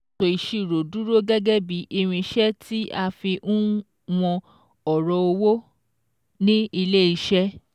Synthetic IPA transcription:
o˨i˨ʃi˨ɾo˨du˦ɾo˦ɡɛ˦ɡɛ˦bi˨˦ʔi˧ɾ̃ĩ˧ʃɛ˦tʰi˦ʔa˧fi˧ʔũ˦ | w̃ɔ̃˧ | ɔ˨ɾɔ˧o˧wo˦ | nĩ˦i˧le˦i˧ʃɛ˦

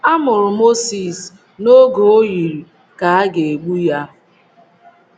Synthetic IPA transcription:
a˦mʊ˨ɾʊ˨mo˦si˨s | no˦ɡo˨o˦ji˨ɾ | ka˨a˦ɡe˨e˨ɡ͡bu˦ja˦

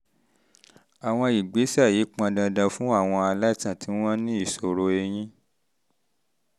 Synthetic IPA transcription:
a˨w̃ɔ̃˧i˨ɡ͡be˨˦sa˦˨ji˨˦k͡pã˧dã˧dã˧fũ˦a˦˨w̃ɔ̃˧a˧la˦tã˦˨tʰĩ˨˦ɔ̃˦nĩ˦i˦˨so˨ɾo˧e˧j̃ĩ˦

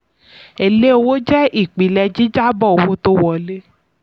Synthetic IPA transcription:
e˨le˦o˧wo˦d͡ʒɛ˦ʔi˦˨k͡pi˨˦lɛ˧d͡ʒi˨˦d͡ʒa˦bɔ˦˨wo˦to˦wɔ˨le˦

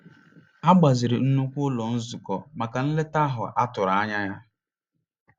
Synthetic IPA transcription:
a˦ɡ͡ba˨zɪ˨ɾɪ˨n̩˦nu˦kʷʊ˦lɔ˨n̩˦zʊ˨kɔ˨ma˨ka˨n̩˦le˦ta˦ɦʊ˨ʔa˦tʊ˨ɾa˨a˦ɲa˦ja˦

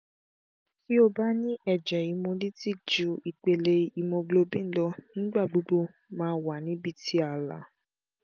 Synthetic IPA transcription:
ki˦o˦ba˦nĩ˦ʔɛ˨d͡ʒɛ˨i˨˧mõ˧li˦ti˦˨kd͡ʒu˧i˨k͡pe˨le˧i˨mõ˧ɡ͡blo˧bĩ˦n̩˦lɔ˧nĩ˦ɡ͡ba˦˨ɡ͡bu˨˦ɡ͡bo˧˦ | mãː˦wa˨nĩ˨˦bi˧ti˦a˨la̰˨˦

